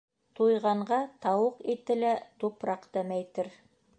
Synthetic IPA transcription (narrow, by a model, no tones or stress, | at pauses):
t̪ʰujʁɑɴɢɑt̪ʰɑwɤqet̪ɘ̆læt̪upɾɑqt̪æmæjt̪ɘɾ